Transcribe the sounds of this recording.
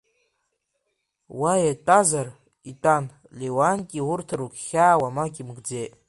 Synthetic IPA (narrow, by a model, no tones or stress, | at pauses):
wajatʼazar | itʼan | lewankʲʼiwʊrtʰɾukʲχʲaːwamakʲʼimɡd͡zejtʼ